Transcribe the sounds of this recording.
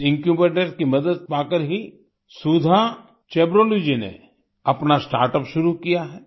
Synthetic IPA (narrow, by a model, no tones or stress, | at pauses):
ɪ̃ŋkjubəʈəɾkimɐd̪əd̪̚paːkəɾɦi | sud̪ʱa | t͡ʃeːbɾoːlod͡ʒinḛ | ɐpnasʈa̰ːɾʈəpʃʊɾukijaɦɛː